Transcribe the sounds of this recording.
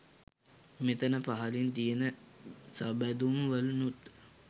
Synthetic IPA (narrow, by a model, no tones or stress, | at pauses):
met̪ənəpaɦalint̪ijenəsabæd̪umʋəlunut̪